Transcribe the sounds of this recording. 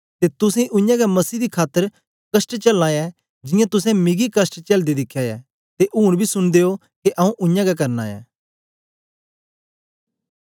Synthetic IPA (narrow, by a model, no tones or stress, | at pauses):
t̪et̪ʊsẽʔʊjãːɡɛmɐsiːd̪ikʰaːt̪ːəɾ | kəsʈt͡ʃɐlãːjɛː | d͡ʒɪjãt̪ʊsɛ̃mɪɡikəsʈt͡ʃɐld̪id̪ɪkʰːjajɛː | t̪eʔuːɽ̃bʱisʊnd̪eːo | keʔɐũʔʊ̃jãːɡɛk̬ɐɾna̰ːjɛ̰ː